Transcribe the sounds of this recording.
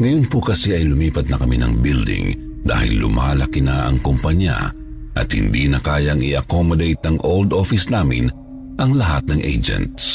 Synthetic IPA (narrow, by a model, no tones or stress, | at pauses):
ŋɐjonpʊkɐsɛʔɐjlʊmiːpɐt̪̚nɐkɐminɐ̰ŋbild̪ɪ̰ŋ | d̪a̰ːhɪ̰lːʊ̰ma̰ːlɐkinɐʔɐ̰ŋkʊmpɐɲa̰ | ʔɐ̰t̪̚hɪ̰nd̪iːnɐkaːjɐŋɪ̰ʔɐkomod̪ejt̪̚nɐŋʔold̪ofɪsnaːmɪ̰n | ʔɐŋlɐɦat̪̚nɐŋʔḛjd͡ʒɛ̰nt̪s